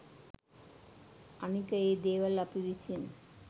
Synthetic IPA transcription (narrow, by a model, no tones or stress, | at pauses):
anikəeːd̪eːʋɐlapiʋisien